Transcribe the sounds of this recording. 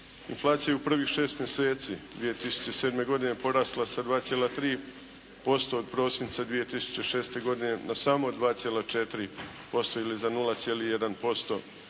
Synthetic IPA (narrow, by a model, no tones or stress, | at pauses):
inflˠaːt̪sijajeupr̩ʋixʃe̞ːst̪mje̞se̞ːt̪siːdd̪ʋije̞t̪isu̥t͡ɕese̞ːd̪me̞ɡo̞d̪ine̞po̞ɾaːst̪lˠasad̪ʋaːt̪sjelat̪ɾiː | po̞st̪o̞ːd̪̚pɾo̞ːsint̪sad̪ʋije̞t̪isu̥t͡ɕeʃe̞ːst̪e̞ɡo̞d̪ine̞nasaːmod̪ʋaːt̪sʲjelat͡ʃet̪ɾi | po̞st̪oilizanulˠat̪sjeːlijed̪anpo̞st̪o̞